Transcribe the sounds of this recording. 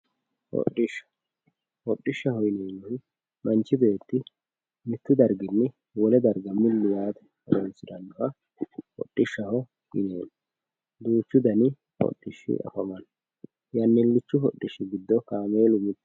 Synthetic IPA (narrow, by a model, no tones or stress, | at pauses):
hɔ̰ʔːɪʃːɐ̥ | hɔɗʼːɪʃːɐhɔjneːwɔɪ | mʔɐnt͡ʃːɪbe̞ːt̪ːɪ | mɪt̪ːʊd̪ɐɾɡɪnːɛ | wɔlɛd̪ɐɾɡɐmɪlːʊwaːt̪ɛ̥ | ɔ̰ɾɔnsɪd̪ɐnːʊhɐ | hɔ̰ɗʼːɪʃːɐhɔ | ɡɪ̰neːn | d̪uːt͡ʃːʊd̪ɐnɪ | hɔ̰ɗʼːɪʃːɪ̰ʔɐ̰fɐmɐn | jɐnːɪlːɪt͡ʃːʊɦɔɗʼːɪʃːɪɡɪd̪ːɔkaːme̞ːlʊmɪt̪ːɪ̥